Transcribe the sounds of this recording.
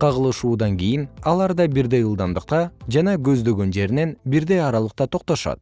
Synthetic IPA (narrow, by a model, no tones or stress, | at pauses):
qʰɑʁɯlˠɯʃuːd̪ɑŋɡʲijinɑlˠɑɾd̪ɑbiɾd̪ejɯlˠd̪ɑmd̪ɯq̚t̪ɑd͡ʒɑnɑɡø̞zd̪ø̞ɡø̞nd͡ʒe̞ɾine̞nbiɾd̪ejɑɾɑlˠɯq̚t̪ɑt̪ʰo̞q̚t̪o̞ʃɑ̰t̪̚